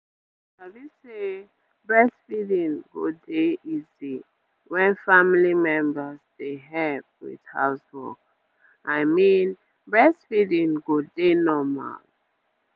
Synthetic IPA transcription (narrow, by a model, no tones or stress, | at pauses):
abise | bɹɛsfidĩnɡo̰deʔizi | wɛ̃nfamilimɛ̃mbəsdeɦɛlp̚wḭð̥ha̰ʊswɔ̰k | ʔajmĩn | bɹɛsfidĩŋɡodenɔma̰l